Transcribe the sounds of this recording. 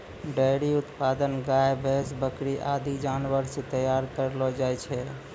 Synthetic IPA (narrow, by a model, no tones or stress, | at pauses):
ɖəjɾiut̪pad̪ənɡajbʱesbəkɾiʔad̪id͡ʒanʋəɾset̪əjaɾkəɾlɔd͡ʒajt͡ʃʰɛ